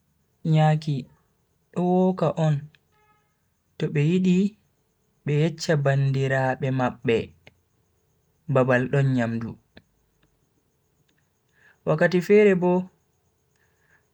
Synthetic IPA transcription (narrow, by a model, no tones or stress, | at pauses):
ɲaːki | ɗɔwɔkaʔɔn | tɔɓɛjiɗi | ɓɛjɛt͡ʃːabandiɾaɓɛmaɓːɛ | babalɗɔnɲamdṵ | wakːatifɛɾɛbɔ